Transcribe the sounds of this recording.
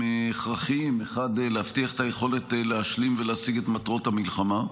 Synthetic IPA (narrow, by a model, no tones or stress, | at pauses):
eeχʁaχimeχadlehaftiaχet̪aje̞χo̞le̞tleaʃlimveleasiɡet̪matʁo̞thamilχama